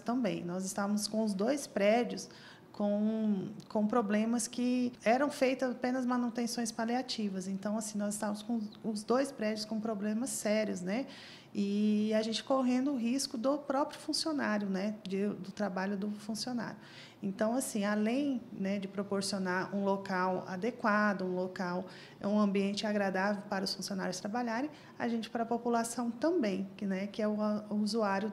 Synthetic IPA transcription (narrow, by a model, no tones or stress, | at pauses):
t̪ɐ̃mbḛ̃j̃nɔzɪst̪avɐmʊskõw̃ʊzd̪ojspɾɛd͡ʒʊs | kõw̃kõw̃pɾoblẽmɐskɪɛɾɐ̃w̃fejt̪ɐzapẽnɐzmɐ̃nut̪ẽsõj̃spaliat͡ʃivɐzẽnt̪ɐ̃w̃asĩnɔzɪst̪ãvɐmʊskõʊzd̪ojspɾɛd͡ʒʊskõpɾoblẽmɐsːɛɾiʊznɛ | ɪaʒẽnt͡ʃɪ̥koɦẽnd̪ʊʊɦiskʊd̪ʊpɾɔpɾjʊfũsionaɾjʊnɛd͡ʒɪd̪ʊt̪ɾabaʎʊd̪ʊfũsiona̰ɾjʊ | ẽnt̪ɐ̃w̃asĩalẽj̃nɛd͡ʒɪpɾopoɾsionaɾũlokawa̰d̪ekwad̪ʊũlokaw | ɛ̰ũɐ̃mbiẽnt͡ʃɪaɡɾad̪avewpaɾɐʊsfũsiona̰ɾjʊst̪ɾabaʎaɾẽj̃ | a̰ʒẽt͡ʃɪ̥pɾɐpopulasɐ̃w̃t̪ɐ̃mbẽj̃kɪnɛkɪɛʊuzuaɾjʊ